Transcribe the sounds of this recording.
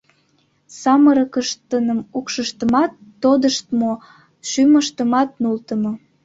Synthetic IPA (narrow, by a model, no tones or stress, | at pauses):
sɑməɾəkəʃt̪ənəmukʃəʃt̪əmɑt̪ːod̪əʃt̪mo | ʃyməʃt̪əmɑt̪̚nult̪əmo